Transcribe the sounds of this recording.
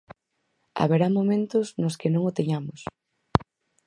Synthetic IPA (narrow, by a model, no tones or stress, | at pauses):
a̰βeɾamomẽnt̪ʊznʊskɪnõŋʊt̪eɲamʊs